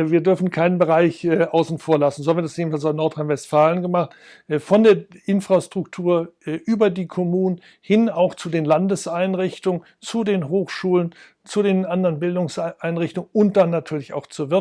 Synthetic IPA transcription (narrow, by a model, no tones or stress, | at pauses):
viːɐdʏɐfn̩kʰaɪnənbəʁaɪçʔaʊsn̩foːɐlasn̩zohamviːɐdasdeːbm̩nfalsaʊnɔɐtʁ̥aɪnvɛstfaːlənɡəmaχtː | fɔndeːɐʔɪnfʁ̥astʁ̥ʊktʰuːɐʔʔyːbɐdiːkʰɔmuːnən | hɪnaʊxt͡sudeːnlandəsʔaɪnʁɪçtʊŋənt͡sudeːnɦoːxʃuːlən | t͡sudeːnʔandəʁənbɪldʊŋsʔaɪnʁɪçtʊŋəʊnt̚d̥anːatʰyːɐlɪça̰ʊxt͡suːɐvɪɐ